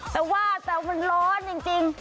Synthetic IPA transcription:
t̪ɛː˨˩waː˥˩t̪ɛː˨˩ma˧˨nlɔː˦˥nt͡ɕi˧ŋt͡ɕi˧ŋ

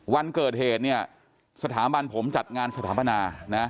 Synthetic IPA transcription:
wa˧nkɤː˨˩t̪̚heː˨˩t̪̚ni˥˩ɐ | sa˧t̪ʰaː˩˦ba˧npʰo˩˦mt͡ɕa˨˩t̪̚ŋaː˧nsa˧t̪ʰaː˩˦ba˧naː˧na˦˥

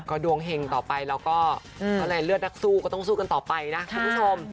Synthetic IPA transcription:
kɔː˥˩du˧əŋɦe˧ŋt̪ɔː˨˩pa˧jlɛː˦˥wkɔː˥˩˧ | aː˥˧˩laː˧lɯ˥˩ət̪̚na˦˥k̚suː˥˩kɔː˩t̪ɔ˥˩ŋsuː˥˩ka˧nt̪ɔː˨˩pa˧jna˦˥kʰu˧mpʰu˥˩t͡ɕʰo˧m

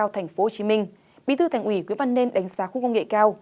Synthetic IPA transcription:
aː˧wt̪ʰa˨˩jŋ̟fo˨˦ho˨˩t͡ɕi˨˦mï˧ŋ̟ | ɓḭ˨˦t̪ʰɨ˧t̪ʰa˨˧˩ŋʔwi˧˩kwənvə˧nːe˧nɗa˨˦jŋ̟zaː˨˦xu˧˨kə˧wŋḛ˧˨kaː˧w

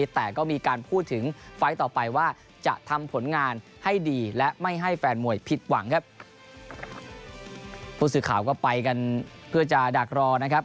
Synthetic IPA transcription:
t̪ɛː˨˩kɔː˥˩miː˧kaː˧npʰuː˥˩t̪ʰːɯ˩˦ŋfa˦˥jt̪ɔː˨˩pa˧jwaː˥˩ | t͡ɕa̰˨˩ʔt̪ʰa˧mpʰo˩˦nŋaː˧n | ha˥˩jdiː˧lɛ˦˥ʔma˥˩jɦa˥˩jfɛː˧nmu˨˩əjpʰi˨˩t̪̚wa˩˦ŋkʰa˦˥p̚ | pʰuː˥˩s̬ɯː˨˩kʰaː˨˩wk̬ɔː˥˩pa˧jka˧npʰɯ˥˩ɐt͡ɕa˨˩daː˨˩k̚ɾɔː˧na˦˥kʰa˦˥p̚

